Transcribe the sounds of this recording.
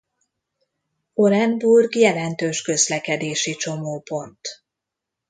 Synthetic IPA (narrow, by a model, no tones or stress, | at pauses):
o̞ɾɛnburɡjɛlɛnt̪øːʃkø̞zlɛkɛd̪eːʃit͡ʃo̞moːpo̞nt̪